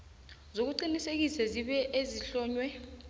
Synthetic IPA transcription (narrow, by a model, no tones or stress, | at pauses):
zok̬uǃinisek̬isɛziɓɛʔeziɬɔːɲwɛ